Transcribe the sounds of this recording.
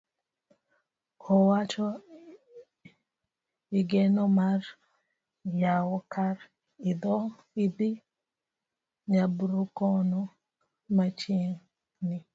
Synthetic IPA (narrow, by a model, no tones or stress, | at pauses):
ɔwat͡ʃɔ | iɡenɔmar | jawɔkaɾ | ɪd̪ɔ | idi | ɲabɾukɔnɔ | mat͡ʃeŋ | nɪ